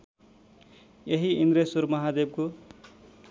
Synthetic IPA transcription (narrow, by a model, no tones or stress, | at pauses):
jeɦiind̪ɾesuɾmʌɦad̪eb̚ko